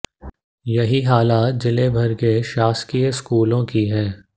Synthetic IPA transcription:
jɐɦiɦaːlaːt̪̚d͡ʒɪlebʱɐɾkeʃaːskijskuːlõkiɦɛː

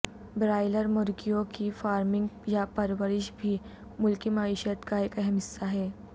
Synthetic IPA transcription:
bɾaːɪləɾmʊɾɡijõkifaːɾmɪ̃ŋɡjapɐɾʋəɾɪʃbʱi | mʊlkimaːiʃət̪kaeːkɛɦɛmɪsaɦɛː

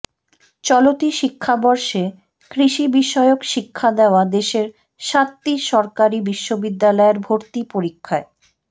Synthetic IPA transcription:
t͡ɕɔlot̪iʃikʰːabɔɾʃe | kɾiʃibiʃɔeokʃikʰːad̪eoad̪eʃeɾ | ʃat̪ːiʃɔɾkaɾibiʃːobid̪ːalɔeɾbʱoɾt̪ipoɾikʰːae

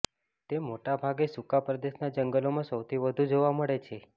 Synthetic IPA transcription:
t̪emoʈabʱaɡesukapɾəd̪eʃnad͡ʒəŋɡəlomãsəwt̪ʰiʋəd̪ʱũd͡ʒoʋaməɭet͡ʃʰe

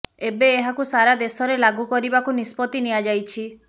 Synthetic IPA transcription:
ebeːɦakusaɾad̪esɔɾelaɡukɔɾibakunispɔt̪iniad͡ʒajt͡ʃʰi

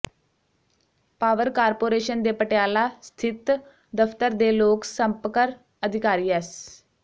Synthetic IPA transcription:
paːʋəɾkaːɾpoːɾeːʃənd̪eːpəʈɪjaːlaːst̪ʰɪt̪ | d̪əfʰt̪əɾd̪eːloːksəmpkəɾ | əd̪ʱɪkaːɾiːɛːs

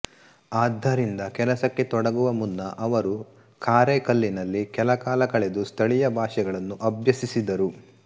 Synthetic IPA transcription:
aːd̪ʱːɐɾind̪ɐkɛlɐsɐkːe̞t̪ɔɽɐɡuʋɐmunːɐʔɐʋɐɾu | kaːɾekɐlːinɐlːikɛlɐkaːlɐkɐɭed̪ust̪ʰɐɭijɐbʱaːʂɛɡɐɭɐnːuʔɐbʱjɐsisid̪ɐɾu

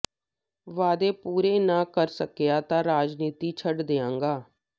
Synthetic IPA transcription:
ʋaːd̪eːpuːɾeːnãːkəɾsəkejaːt̪ãːɾaːd͡ʒniːt̪iːt͡ʃʰəɖd̪eːãːŋɡaː

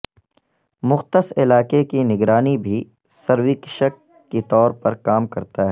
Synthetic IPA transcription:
mʊxt̪əsɪlaːkekinɪɡɾaːnibʱi | sɐɾwɪkɪʃəkː | it̪ɔːɾpɐɾkaːmkɐɾt̪aɦɛː

